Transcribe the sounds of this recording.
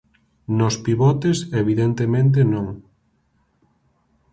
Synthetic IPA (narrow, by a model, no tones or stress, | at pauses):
nospiβɔt̪eseβiðent̪emẽnt̪̬enõŋ